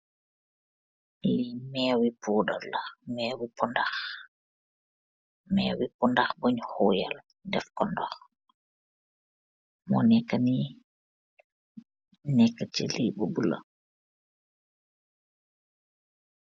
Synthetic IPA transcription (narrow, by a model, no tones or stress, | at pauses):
mɛwipuːɗɔlːamɛːwipɔndax | mɛwipɔndaxboɲhɔja̰l | dɛfkɔndɔx | mɔnɛkːani | nɛkːat͡ʃɛ̰liɓɔbula̰